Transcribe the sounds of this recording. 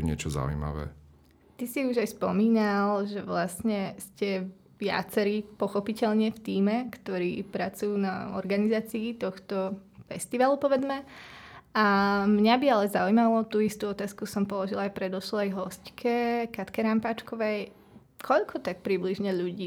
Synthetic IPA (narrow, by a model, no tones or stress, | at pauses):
ɲɪɛt͡ʃɔza̰ṵjma̰ʋɛ̰ː | t̪isiuʒajspɔmiːnalʒɛʋlasɲɛscɛ | ʋɪa̰t͡sɛɾiːpɔxɔpicɛʎɲɪɛft̪iːmɛkt̪ɔɾḭːpɾat͡sujunaɔ̰ɾɡanizaːt͡siːt̪ɔxt̪ɔfɛst̪iʋalupɔʋɛd͡zmɛ | amɲabialɛzaujmalɔt̪uist̪uɔt̪aːskusɔmpɔlɔʒilajpɾɛd̪ɔʃlajɦɔsckʰɛkat̪kɛɾampaːt͡ʃkɔʋɛj | kʰɔʎkʰɔt̪ak̚pɾibliʒɲɛʎuɟiː